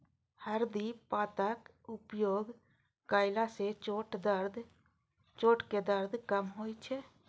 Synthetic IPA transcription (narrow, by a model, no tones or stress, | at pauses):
həɾd̪ipaːt̪ək | ʊpjoːɡ | kaːɪlaset͡ʃoːʈd̪əɾd̪ | t͡ʃoːʈked̪əɾd̪kəmɦoːit͡ʃʰɛː